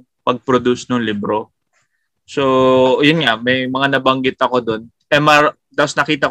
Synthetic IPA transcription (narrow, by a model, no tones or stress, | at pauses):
pɐɡ̚pɾod̪usnʊŋlibɾo | sojʊnŋamɐjmɐŋanɐbɐŋɡɪt̪ɐko̞d̪o̞n | ʔɛma | aʊsnɐkiːt̪ɐ